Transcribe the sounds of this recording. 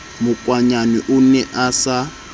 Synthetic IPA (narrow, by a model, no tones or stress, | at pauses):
mʊkʼwaɲaniʔunɛʔasa